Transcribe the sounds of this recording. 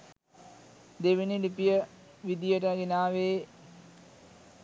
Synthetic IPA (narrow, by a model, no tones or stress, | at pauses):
d̪eʋiniɖipijə | ʋid̪ijəʈ̬əɡinaːʋeː